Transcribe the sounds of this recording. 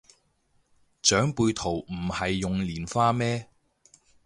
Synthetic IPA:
t͡ʃœː˨˥ŋpuː˧jt̪ʰo˨˩wm̩˨˩hɐ˨jːʊ˨ŋliː˨˩nfaː˥mɛː˥

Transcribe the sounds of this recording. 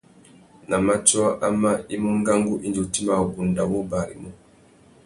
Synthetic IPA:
na˨ma˦t͡ʃa˦ʔa˦ma˦i˦mu˦ŋɡa˦ŋɡu˦ʔi˦nd͡ʒi˨u˨ti˦ma˨u˨bu˨nda˨wɔ˦ba˨ɾḭ˨mu˦

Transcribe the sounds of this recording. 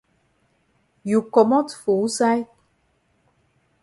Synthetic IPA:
ju˨kɔ˨mɔ˦tfu˨˦sa˦jt

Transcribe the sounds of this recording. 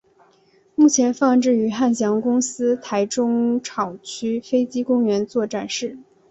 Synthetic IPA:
mu˥˩t͡ɕʰjɛ˧˥nfɑ˥˧ŋʈ͡ʂɻ̩˥˩y˧˥xa˥˩nɕ̬jɑ˧˥ŋkʊ˥ŋsɹ̩˥t̪ʰa˧˥ɪʈ͡ʂʊ˥ŋʈ͡ʂʰɑ˨˩ʊt͡ɕʰy˥fe˥ɪt͡ɕi˥kʊ˥ŋɥɛ˧˥nt͡swɔ˥˩ʈ͡ʂa˨˩nʂɻ̩˥˩

